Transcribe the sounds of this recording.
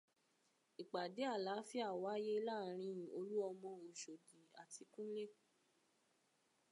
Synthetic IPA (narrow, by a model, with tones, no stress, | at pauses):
i˨k͡pa˨de˨˦a˦˨la˨˦fi˦a˦˨wa˨˦je˦la˦˨˦ɾ̃ĩ˧˦˨o˧lu˦ɔ˧mɔ̃˧o˨ʃo˨di˨a˨ti˧kũ˦le˦